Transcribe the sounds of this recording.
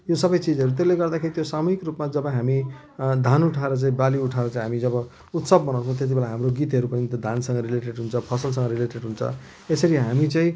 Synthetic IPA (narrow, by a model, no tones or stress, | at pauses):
josʌbʌjt͡sid͡zʌɾut̪̬eleɡʌrd̪akʰeɾit̪josamuɦikrupmad͡zʌbʌɦami | d̪ʱanuʈʰaeɾʌt͡saĩbaliuʈʰaeɾʌt͡saĩɦamid͡zʌbʌ | ut̪sʌb̚ːʌnawt͡sʰʌ̃t̪jet̪ibelaɦamroɡit̪ɦʌɾupʌnit̪ʌd̪ʱansʌ̃ŋɡʌɾileʈeɽɦunt͡sʰʌpʰʌsʌls̬ʌŋɡʌɾileʈeɽɦunt͡sʰʌ̰ | esʌɾiɦamit͡saĩ